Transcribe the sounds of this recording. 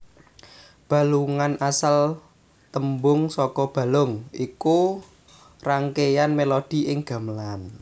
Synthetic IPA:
b̥a̤luŋanʔasal | t̪əmbʊŋsɔkɔb̥ä̤lʊŋiku | raŋkejanmelod̥i̤ʔɪŋɡ̥a̤məlan

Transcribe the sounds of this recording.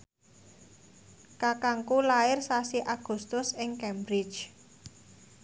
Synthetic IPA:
kakaŋkulaɪrsasiʔaɡ̥ṳst̪ʊsɪŋkɛmbɾɪ̥d͡ʒʒ

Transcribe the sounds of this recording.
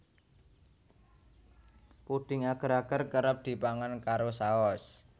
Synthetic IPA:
puɖ̪̥ɪ̤ŋaɡ̥ə̤ɾaɡ̥ərkəɾəp̚d̪̥i̤paŋankaɾosaɔs

